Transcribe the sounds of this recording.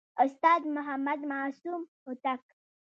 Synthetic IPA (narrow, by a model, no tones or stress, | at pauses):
ʊst̪ɑːd̪mʊɦamad̪maːsumhʊt̪ak